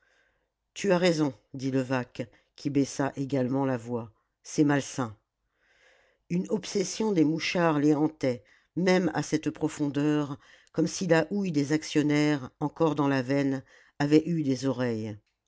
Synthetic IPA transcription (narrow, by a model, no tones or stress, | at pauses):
t̪ʰyaʁezɔ̃d̪iləvak | kʰʲibɛsaʔeɡalmɑ̃lavwa | sɛmalsɛ̃ | ynɔpsɛsjɔ̃d̪emuʃaʁleɑ̃t̪ɛ | mɛma̰sɛt̪pχɔfɔ̃d̪œʁ | kɔmsilaʔujd̪ezaksjɔnɛʁɑ̃kɔʁd̪ɑ̃lavɛn | avɛʔyd̪ezɔʁɛj